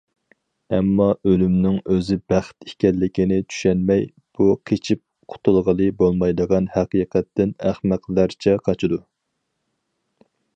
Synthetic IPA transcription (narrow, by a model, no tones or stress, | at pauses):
ɛmːɑʔølymnɪŋøzɪbæχt̪ikʲɛlːɪkʲinɪt͡ʃ̪ʰy̥ʃɛnmɛj | b̥uqʰet͡ʃʰip̚ | qʰʊ̥t̪ʰulˠʁəlˠɨbolˠmɑjd̪əʁɑnhæqiːqʰɛt̪ːɪnæχmæqlæɾt͡ʃʰɛqʰɑt͡ʃʰɨd̪u